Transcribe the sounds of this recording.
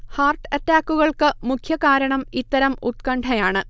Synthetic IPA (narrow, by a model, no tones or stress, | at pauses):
haːrʈɐtːaːkːuɣɐɭkɨmukʰjɐkaːɾɐɳɐmit̪ːɐɾɐmut̪̚kɐɳʈʰɐjaːɳɨ